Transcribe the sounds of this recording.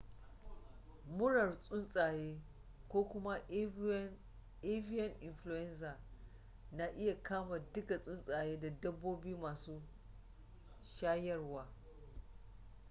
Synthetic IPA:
mʊ˦ɽɐ˨rsʼʊ˦nsʼaː˨jeː˦ | kʷoː˦kʷʊ˦ma˦ | ʔe˦vi˦jɐ˦nʔɪ˨nɸlu˨jɛ˦nsaː˨ | na˦ʔɪ˦ja˨kʰaː˦maː˨dɪ˦ka˨sʼʊ˦nsʼaː˨jeː˦da˨dɐ˦bːoː˦biː˦maː˨suː˦ | ʃaː˦jɐ˦rwaː˨˦

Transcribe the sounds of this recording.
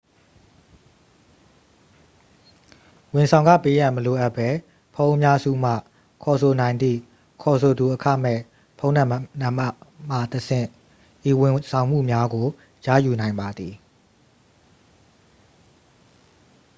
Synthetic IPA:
wɪ̃˨nsʰã˨ʊ̃ŋɡä̰˦˨pe˦jã˨məlo˨ʔa˦ʔpːɛ˦ | pʰõ˦ʔə˦mja˦zṵ˦˨m̥ä̰˦˨ | kʰɔ˨sʰo˨nã˨ɪ̃nd̪ðḭ˦˨ | kʰɔ˨s̬ʰo˨d̪u˨ʔəkʰä̰˦˨m̥ɛ̰˦˨ | pʰõ˦ʊ̃nã˦˨nã˨ma˦m̥a̰˦˨t̪əsʰɪ̰̃˦˨ | ʔi˨wɪ̃˨sʰã˨ʊ̃m̥ṵ˦˨mja˦ɡo˨ | ja̰˦˨ju˨nã˨ɪ̃mba˨d̪i˨

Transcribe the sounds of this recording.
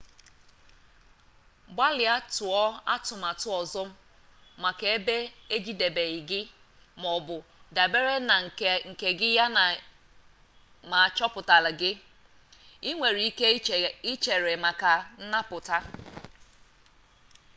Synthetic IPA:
ba˦lɪ˨a˦tʊ˨ɔ˦a̰˦tʊ˨m˨a˨tʊ˦ɔ˨zɔ˦m̩˦ | ma˨ke˨e˦be˦e˦d͡ʒi˦de˨be˨ɣɪ˨ɡɪ˦ | mɔ˨bʊ˨da˨be˦ɾe˦na˨ŋ̩˨ŋ̩˨ke˨ɡɪ˦ja˦n˨ | ma˨a˨t͡ʃɔ˦pʊ˨ta˨lɪ˨ɡɪ˦ | i˦ŋʷe˨ɾi˨˦i˦ke˦i˦t͡ʃe˨ɾe˨ma˨ka˨n̩˦na˦pʊ˨ta˦

